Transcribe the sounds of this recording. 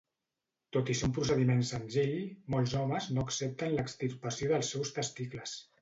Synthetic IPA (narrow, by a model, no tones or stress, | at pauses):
t̪ot̪isiumpɾusəðimensənziʎmolˠzɔməznoəksɛp̚t̪ənləkst̪irpəsjoðəlˠsːɛwst̪əst̪ikləs